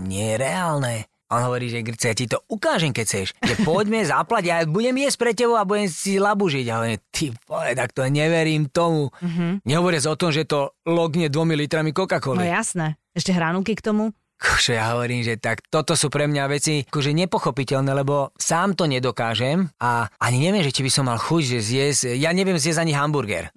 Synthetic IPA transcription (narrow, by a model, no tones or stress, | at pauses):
ɲɪɛjɛɾɛaːlnɛ | aʔɔnɦɔʋɔɾiːʒɛɡt͡sɛjacit̪ɔukaːʒɛmkɛct͡sɛʃʒɛpɔɟmɛzaplaɟjabuɟɛmjɛsc̚pɾɛcɛbɔʊabuɟɛmsilabuʒiɟjaɦɔʋɔɾimt̪ʰifɔɛt̪akt̪ɔɲɛʋɛɾiːmt̪ɔmuɦɲɛɦɔʋɔɾɪazɔt̪ɔmʒɛt̪ɔlɔɡɲɛd̪ʋɔmilit̪ɾamikɔkakɔliɛjasnɛ | ɛʃcɛɦɾanukikt̪ɔmu | kʰut͡ʃɔjaɦɔʋɔɾiːmʒɛt̪akt̪ɔt̪ɔsuːpɾɛmɲaʋɛt͡siakɔʒɛɲɛpɔxɔpicɛlnɛːlɛbɔsaːmt̪ɔɲɛd̪ɔkaːʒɛmaaɲiɲɛʋɪɛmʒɛt͡ʃibisɔmːalxuɟʒɛzɪjɛscjaɲɛʋʊɛmzjɛzaɲiɦambuɾɡɛ̰ɾ